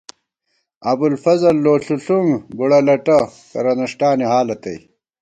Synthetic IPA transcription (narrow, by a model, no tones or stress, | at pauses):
ɐbulfɐzɐlːoːɬuɬuŋɡuɽɐlɐʈɐ | kɐ̰ɾɐnɐʂʈaːniɦaːlɐt̪ɐj